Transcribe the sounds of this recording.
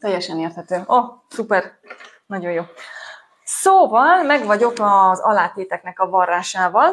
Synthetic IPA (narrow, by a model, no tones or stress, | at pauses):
t̪ɛjːɛʃɛneːrt̪hɛt̪øːɒsupɛr | nɒɟo̞joː | soːvɒlmɛɡʋɒɟo̞kɒzɒ̰laːt̪eːt̪ɛknɛkɒvɒrːaːʃaːvɒl